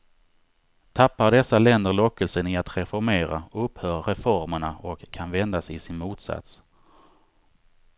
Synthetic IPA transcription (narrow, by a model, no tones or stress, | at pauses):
t̪ʰapːaɖ̪ɛsːalɛnd̪əɭɔkːəlsənɪat̪ɾɛfɔɾmeːɾa̰ɵphœːɾːɛfɔɾməɳaɔkʰːanvɛnd̪asɪsɪnmuːt̪sa̰t̪s